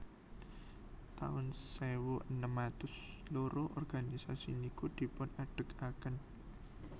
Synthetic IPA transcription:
t̪a̰ʊnsewoʔənəmat̪ʊsloɾʔoʔɔrɡ̥anisasḭnikud̪̥i̤pʊnaɖ̥ə̤kakən

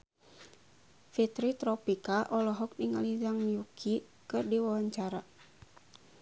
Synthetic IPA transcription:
fit̪ɾit̪ɾɔpikaʔɔlɔɦɔk̚niŋalizaŋjukʰi | kɨrdiwawaɲt͡ʃaɾa

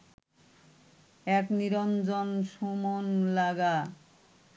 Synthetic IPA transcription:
ɛkniɾond͡ʑonʃumonlaɡa

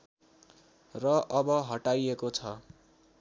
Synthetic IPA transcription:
rʌʔʌbʌɦʌʈajekot͡sʰʌ

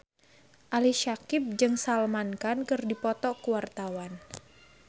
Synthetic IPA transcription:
ʔaliʃakɪp̚d͡ʒɨŋsalmankankɨrdipɔt̪ɔkuwart̪awan

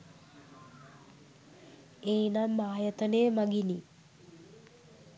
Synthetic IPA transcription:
eːnamːaːjət̪ənemaɡini

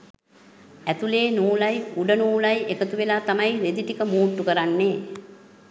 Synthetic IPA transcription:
æt̪uleːnuːlajuɖənuːlajekət̪uʋelaːt̪amajʋed̪iʈikəmuːʈːukəɾanːeː

